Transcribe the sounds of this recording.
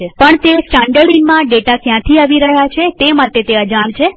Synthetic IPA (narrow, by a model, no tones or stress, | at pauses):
pəɳt̪esʈãɳɖəɽinmãɖeʈakjãt̪ʰiaʋiɾəɦjat͡ʃʰet̪emaʈet̪eəd͡ʒant͡ʃʰe